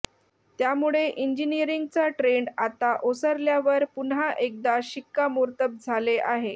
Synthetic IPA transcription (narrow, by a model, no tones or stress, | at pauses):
t̪jamuɭeʔiɲd͡ʑiniəɾiŋɡ̚t͡saʈɾeɳɖat̪aʔosəɾljaʋəɾpunɦaʔek̚d̪aɕikːamuɾt̪əp̚d͡zʱaleʔaɦe